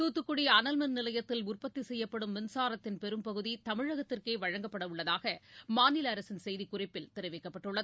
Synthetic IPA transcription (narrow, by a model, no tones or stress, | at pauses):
t̪uːt̪ːɯkːʊɽiɐnɐlmɐnnɪlɐjɐt̪ːɪlʊrpɐt̪ːisɛjːɐpːɐɽɯmːɪnsaːɾɐt̪ːɪnpɛɾɯmpɐɣɯðit̪ɐmɪɻɐɣɐt̪ːɪrkeːʋɐɻɐŋɡɐpːɐɽɐʊɭːɐðaːɣɐmaːnɪlɐɐɾɐsɪnsɛjðikʊrɐɪpːɪlt̪ɪɾɯʋɛkːɐpːɐʈːɯɭːɐðɯ